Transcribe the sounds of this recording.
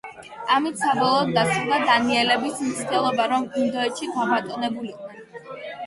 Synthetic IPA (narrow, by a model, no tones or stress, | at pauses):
amit̪ʰsabɔlˠɔːd̪ːasχd̪ad̪aniɛlɛbismt̪sʰd̪ɛlˠɔbaɾɔmind̪ɔɛt̪ʃid̪abat̪ʼɔnɛbuliqʼnɛn